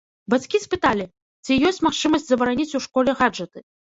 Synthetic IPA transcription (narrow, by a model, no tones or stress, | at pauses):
bat͡sʲkʲispɨt̪alʲi | t͡sʲijɔsʲt͡sʲmaxt͡ʂɨmɐsʲd͡zʲzɐbɐɾanʲit͡sʲuʂkɔlʲɛɣad͡ʐɐt̪ɨ